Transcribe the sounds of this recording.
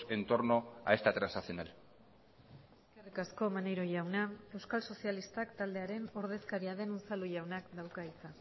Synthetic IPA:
e̞nt̪o̞ɾno̞a̰est̪at̪ɾansnaθio̞nal | eskerikasko̞manejɾo̞ʝawnae̞wskalso̞sialist̪akt̪ald̪e̞aɾe̞no̞ɾð̞e̞skaɾiaðe̞not͡saluʝawnakd̪awkait͡sa

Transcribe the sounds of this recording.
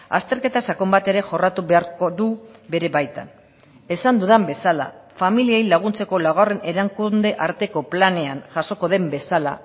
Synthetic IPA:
a̰st̪e̞ɾke̞t̪asako̞mbat̪e̞ɾe̞ʝo̞rat̪uβe̞aɾkoðube̞ɾe̞βajt̪a̰n | e̞sand̪uðambe̞sala̰familiejlaɣ̞unt͡se̞ko̞laɣare̞ne̞ɾaŋkund̪e̞ʔaɾt̪e̞ko̞plane̞anʝaso̞ko̞ðe̞mbe̞sala̰

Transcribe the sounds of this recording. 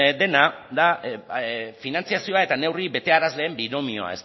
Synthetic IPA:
d̪e̞naða | finant͡siasio̞ae̞t̪ane̞wriβe̞t̪e̞aɾazle̞ːmbino̞mio̞a̰e̞s

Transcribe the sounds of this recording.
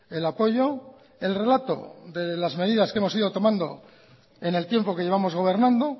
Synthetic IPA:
e̞lapo̞ʝo̞ | e̞lre̞lat̪o̞̰ðe̞lazme̞ðiðaskee̞mo̞siðo̞t̪o̞mãnd̪o̞ | e̞ne̞lt̪je̞mpo̞ke̞ʝe̞βamo̞zɣ̞o̞β̞e̞ɾnãnd̪o̞

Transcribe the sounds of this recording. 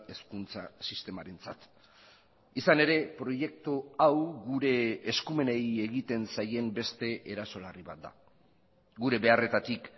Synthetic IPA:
eskunt͡sa̰sist̪e̞maɾe̞nt͡sat̪ | isane̞ɾe̞pɾo̞je̞k̚t̪uawɣuɾe̞ːskume̞neje̞ɣit̪e̞nsaje̞mbe̞st̪e̞ʔeɾaso̞lariβa̰t̪̚d̪a̰ | ɡuɾe̞βe̞are̞t̪at̪ik

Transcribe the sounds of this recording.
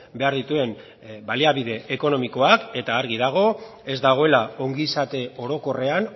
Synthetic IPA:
be̞aɾðit̪ue̞m | baliaβiðe̞ʔeko̞no̞miko̞ake̞t̪aːɾɣið̞aɣ̞o̞ | e̞zd̪aɣ̞o̞e̞lao̞ŋɡisat̪e̞o̞ɾo̞ko̞re̞an

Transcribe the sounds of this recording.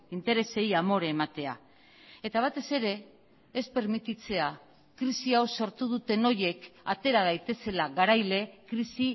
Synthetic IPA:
int̪e̞ɾe̞se̞jamo̞ɾeːmat̪e̞a̰ | e̞t̪aβ̞at̪e̞se̞ɾe̞ː | spe̞ɾmit̪it͡se̞a | kɾisiawso̞ɾt̪uð̞ut̪e̞no̞je̞kat̪e̞ɾað̞ajt̪e̞se̞laɣaɾajle̞kɾisi

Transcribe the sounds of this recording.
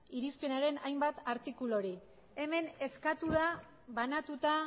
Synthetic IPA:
iɾispe̞naɾe̞najmbat̪aɾt̪ikulo̞ɾi | e̞me̞ne̞skat̪uða | βanat̪ut̪a

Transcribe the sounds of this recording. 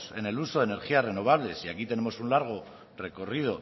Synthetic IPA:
se̞ne̞luso̞ð̞ene̞ɾxiare̞no̞β̞aβ̞le̞siakit̪e̞ne̞mo̞sunlaɾɣ̞o̞ | re̞ko̞rið̞o̞

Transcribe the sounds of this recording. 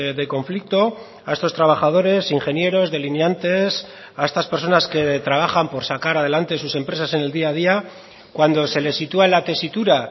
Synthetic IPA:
ðeko̞ɱflik̚t̪o̞ | ae̞st̪ost̪ɾaβ̞axað̞o̞ɾe̞siŋxe̞nje̞ɾo̞zðe̞linjant̪e̞s | ae̞st̪aspe̞ɾso̞naske̞t̪ɾaβ̞axampo̞ɾsakaɾað̞e̞lant̪e̞s̬use̞mpɾe̞sase̞ne̞ld̪iað̞ia | kwand̪o̞se̞le̞sːit̪uaelat̪e̞sit̪uɾa

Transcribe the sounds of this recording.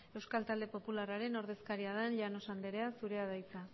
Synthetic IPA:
e̞wskalt̪ald̪e̞po̞pularaɾe̞no̞ɾðe̞skaɾiaðanʎano̞sand̪e̞ɾe̞asuɾe̞að̞ajt͡sa

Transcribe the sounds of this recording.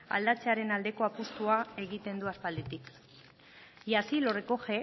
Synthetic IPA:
a̰ld̪at͡seaɾe̞nald̪e̞ko̞apust̪uae̞ɣit̪e̞nd̪uaspald̪et̪ik | jasilo̞reko̞xe̞

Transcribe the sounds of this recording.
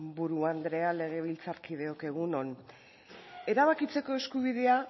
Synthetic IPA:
buɾuand̪ɾe̞ale̞ɣ̞e̞β̞ilt͡saɾkið̞e̞oke̞ɣ̞uno̞n | e̞ɾaβ̞akit͡se̞ko̞e̞skuβ̞ið̞e̞a

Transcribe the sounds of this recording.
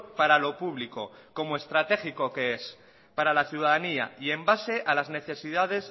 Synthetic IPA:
paɾalo̞puβliko̞ko̞moe̞st̪ɾat̪e̞xiko̞ke̞es | paɾalaθjuð̞aðania̰ie̞mbase̞ʔalazne̞θe̞siðaðe̞s

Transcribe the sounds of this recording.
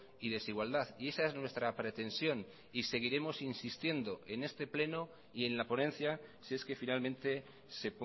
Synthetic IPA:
iðe̞siɣwald̪aðie̞sae̞znwe̞st̪ɾapɾe̞t̪e̞nsjo̞n | ise̞ɣ̞iɾe̞mo̞sinsist̪je̞nd̪o̞ʔe̞ne̞st̪e̞ple̞no | ie̞nlapo̞nẽ̞nθjasie̞ske̞finalmẽ̞nt̪e̞ | se̞p

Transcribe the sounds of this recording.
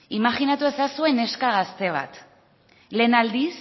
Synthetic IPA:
imaxinat̪ue̞sasue̞ne̞skaɣ̞ast̪e̞β̞a̰t̪ | le̞ːnald̪is

